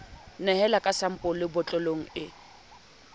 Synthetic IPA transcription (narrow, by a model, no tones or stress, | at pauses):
nɛhɛlakʼasam̩pʼʊlɪbʊt͡ɬʼɔloŋ̩ɪ